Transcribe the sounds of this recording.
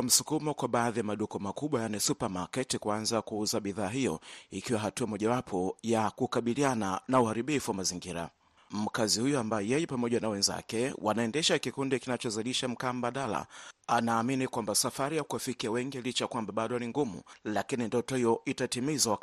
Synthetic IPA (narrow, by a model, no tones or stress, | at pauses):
m̩sukumɔkwaɓaːðijamaɗukɔmakuɓwajanisupamakɛtikuanzakuuzaɓiðaːɦijɔ̰ikiwaɦatuamɔʄawapʰɔjakukaɓiliananauhaɾiɓifuwamaziŋɡiɾa̰ | m̩kazihujuambajɔjɛjɛpamɔʄanawɛnza̰kɛwʔanaɛndɛʃakikundikinat͡ʃɔzaliʃam̩kaːm̩ɓaɗala̰anaːminikwambasafaɾijakuwafikiawɛŋɡilit͡ʃajakwambaɓaɗɔniŋɡumṵlakinindɔtɔhijɔʔitatimizawa